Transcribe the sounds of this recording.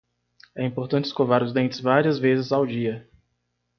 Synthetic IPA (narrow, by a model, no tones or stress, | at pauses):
ɛĩmpoɾt̪ɐ̃nt͡ʃɪskovaɾʊzd̪ẽnt͡ʃɪzvaɾiɐzvezɪzawd͡ʒiɐ